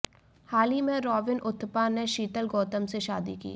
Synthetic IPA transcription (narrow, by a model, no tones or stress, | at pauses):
haːlimẽɾɔːʋɪnʔʊt̪ʰːpaneʃiːʈ̪əlɡɔːt̪əmseʃaːd̪ḭkḭː